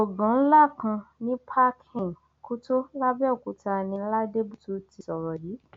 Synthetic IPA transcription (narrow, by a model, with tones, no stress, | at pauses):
o˨ɡã˨˦n̩˦la˦˨kã˧nĩ˦pʰa˦kʰĩ˨ŋ˨ | ku˦to˦la˦bɛ˦ɔ˨ku˨ta˧nĩ˧˦la˦de˦bu˦to˧ti˧sɔ˨ɾɔ˨di˨˦